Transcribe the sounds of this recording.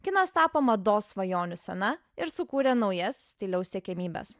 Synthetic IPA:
kʲɪnɐst̪ɑːpomɐd̪oːsʋɐjoːnʲʊsʲɛnɐ | ɪɾsʊkuːɾʲɛnɒʊjɛssʲt̪ʲɪlʲɛʊssʲɛkʲɛmʲiːbʲɛ̰s

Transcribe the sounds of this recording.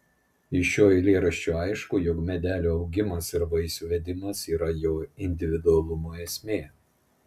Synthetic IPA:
ɪʃʲoːɪlʲeːɾɐʃʲt͡ʃʲuːɑɪʃkuːjɔkmʲɛd̪ʲæːlʲoːɒʊɡʲɪmɐsɪɾʋɐɪsʲuːʋʲɛd̪ʲɪmɐsiːɾɐjoːɪnʲd̪ʲɪʋʲɪd̪ʊɐlˠʊmoːeːsʲmʲeː

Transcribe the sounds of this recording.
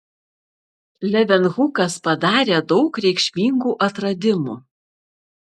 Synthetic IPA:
lʲɛʋʲɛnɣʊkɐspɐd̪ɑːɾʲeːd̪ɒʊkɾʲɛɪkʃʲmʲiːŋɡuːʔɐt̪ɾɐd̪ʲɪmṵ

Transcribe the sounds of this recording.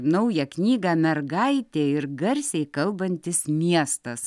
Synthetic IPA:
nɐʊjɛknʲiːɡɑːmʲɛrɡɐɪt̪ʲeːɪɾɡɐɾʲsʲɛɪkɐlˠbɐnʲt̪ʲɪsmʲiɛst̪ɐs

